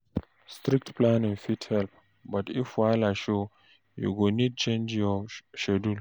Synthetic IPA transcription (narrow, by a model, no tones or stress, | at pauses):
stɾik̚tplãnĩŋfithɛlp | batifwalaʃo | jṵɡonid̚t͡ʃẽnd͡ʒjɔʃɛdul